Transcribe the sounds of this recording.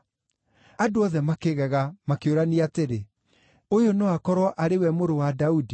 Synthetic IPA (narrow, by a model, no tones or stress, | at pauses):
adoɔðɛmakeɣɛɣamakeoɾaniateɾe | ojonɔakɔɾwɔʔaɾewɛmoɾowadaudi